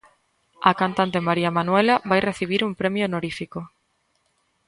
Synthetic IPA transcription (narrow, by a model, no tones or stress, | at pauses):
ɐkant̪ant̪emaɾiamanwelɐβajreθiβ̞iɾumpɾemjonoɾifiko